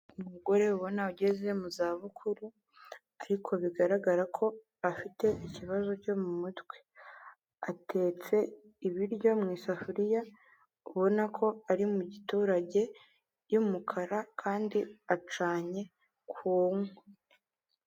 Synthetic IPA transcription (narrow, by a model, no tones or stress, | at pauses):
umuɡo̞ɾe̞uβo̞nauɟe̞ze̞muzaːβukʰuɾu | aɾikʰo̞βiɡaɾaɡaɾakʰo̞ | afite̞ʔiciβazo̞co̞mumutwe | atʰe̞ːt͡se̞ | iβiɾɟo̞mŋiːsafuɾija | uβo̞nakʰo̞aɾimuɟituːɾaɟe̞ | jumukʰaɾakʰaːndiat͡ʃaːɲe̞ | kʰuːŋwe